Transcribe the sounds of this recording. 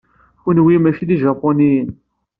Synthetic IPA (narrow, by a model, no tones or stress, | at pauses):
kʷənwimæʃiðiʒɑpːoniən